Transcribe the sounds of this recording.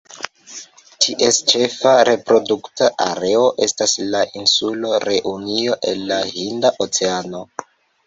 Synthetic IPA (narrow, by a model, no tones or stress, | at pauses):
tʰiʔest͡ʃe̞faɾe̞pɾo̞duktaʔa̰ɾe̞o̞ʔe̞staslaʔinsulo̞ɾe̞ʔunio̞ʔe̞nːaɦindaʔot͡se̞ano̞